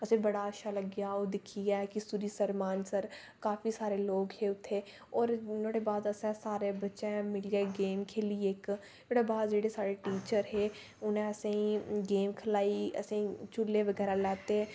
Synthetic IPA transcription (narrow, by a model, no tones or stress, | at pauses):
əsẽbəɽaəʃaləɡjaːoːd̪ɪkʰiɛːkisuɾiːsəɾmaːnsəɾ | kaːfiːsaːɾeloːɡheʊt̪ʰːeː | ɔːɾnoɽebaːd̪əsɛ̃saːɾebətːʃẽmɪlieːɡeːmkʰeːlieːk | oːɽebaːd̪d͡ʒeːɽesaːɾeʈiːt͡ʃəɾɦeː | ʊnẽəsẽiɡeːmkʰəlaːiə̰sẽĩt͡ʃʊlːeʋəɡɛːɾalɛːt̪eɛ̃